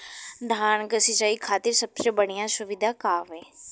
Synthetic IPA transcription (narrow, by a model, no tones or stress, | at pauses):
d̪ʱaːnkəsɪt͡ʃaːiːkʰaːt̪ɪɾsəbseːbəɽijãːsʊʋɪd̪ʱaːkaːʋẽː